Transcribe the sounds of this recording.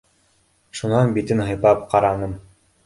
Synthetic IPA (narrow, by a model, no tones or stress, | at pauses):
ʃunɑnbit̪ɘnɦɤ̆jpɑp̚qɑɾɑnɤm